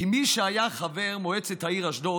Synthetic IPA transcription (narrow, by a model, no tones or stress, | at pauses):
imiʃəajaχavɛʁmoɛt͡sɛthaiʁaʃdo